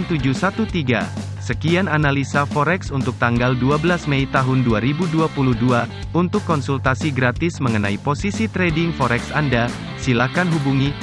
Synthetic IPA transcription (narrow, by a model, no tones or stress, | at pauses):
nt̪ud͡ʒusat̪ut̪iɡa̰ | səkiananalisafɔɾɛksunt̪ʊk̚t̪aŋɡalduabəlasmɛit̪aɦʊnduaɾibuduapuluhdua | unt̪ʊkːɔnsult̪asiɡɾat̪ɪsməŋənaiposisit̪ɾɛdɪŋfɔɾɛksanda | silakanɦubuŋi